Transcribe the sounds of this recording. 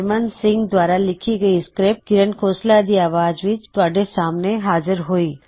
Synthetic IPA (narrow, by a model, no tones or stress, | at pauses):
ɾmənsɪ̃ŋɡd̪ʋaːɾalɪkʰiɡəiskɾep̚ɡɪɾənkʰoːslad̪iaːʋaːd͡ʒʋɪt͡ʃt̪aːɖesaːmneɦaːd͡ʒəɾɦoiː